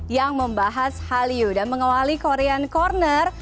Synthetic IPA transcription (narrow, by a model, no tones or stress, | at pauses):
jaŋməmbaɦashaliudanməŋawalikoɾeankɔrnər